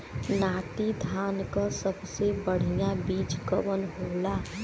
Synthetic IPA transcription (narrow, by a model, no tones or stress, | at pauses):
naːt̪id̪ʱankə̃səbsebəɽ̤ijãbit͡ʃkəbənɦola